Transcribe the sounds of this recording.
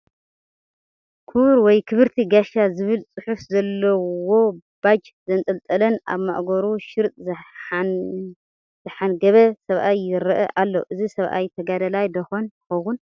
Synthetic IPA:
kʰuβɾwɔjkʰɨβɨɾt̪ʰiɡaʃazɨβɨlt͡sʼɨħufzɐlːɐwo̞b̥ad͡ʒ | zɐnt̪ʼɐlt̪ʼɐlɐna̰βma̰ʔɡoɾuʃɪɾt̪ʼ | zɨħanɡɐβɐsɐβʔajːɪɾɐʔɐʔalːo̰ʔɨzisɐβʔa̰jt̪ʰɐɡad̪ɐlajd̪ɐxonjɨxɐwun

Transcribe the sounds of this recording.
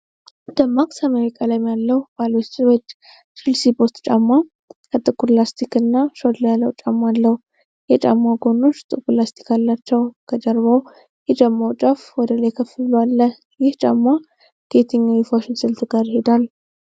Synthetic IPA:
d̪̥əmːakʼsameɾikʼalajɪmjalːəhb̥alwot͡ʃːwɔd͡ʒ | t͡ʃɨlsibost̪t͡ʃʼamːa | kʰət̪ʼɨkʰuɾlast̪ʰikɨnːaʃod̪ljalːəwt͡ʃʼamːalːəhu | jɛt͡ʃʼa̰mːaɡo̞noʃt̪ʼɨkulast̪ʰi̥kʰalːat͡ʃːɛwkʰəd͡ʒəɾβaw | jɛt͡ʃʼamːawt͡ʃʼafwɔd̪əlajkʰəfɨloalːə | jɪht͡ʃʼamːa | ɡ̥e̞t̪ʰɨɲːawɛfaʃɪnsɨlt̪ʰɡaɾjɪhe̞d̪alː

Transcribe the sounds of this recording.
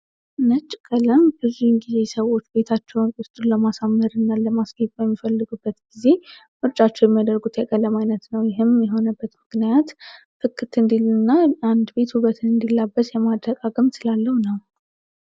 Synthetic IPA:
nət͡ʃʼːkʼələmbɨzunɡize̞səwo̞t͡ʃːbe̞t̪ʰat͡ʃːɛwunkʼʊst̪ʼunləmasamːəɾɨnːaləmasɡibajɛmːifəlːɨɡubːət̪ɡize̞ | mɨɾt͡ʃʼat͡ʃːɛwjɛmːijad̪əɾɡut̪ʰjɛkʼələmajnət̪nəwjɪɦɨmjɛɦo̞nəbːət̪mɨknijat̪ | fɨkʰːɨt̪ɨnd̪ilɨnːaand̪be̞t̪huβət̪ʰɨnɨnd̪ilːabːəsjɛmad̪ɾəkʼaɡɨmsɨlalːəhunəw

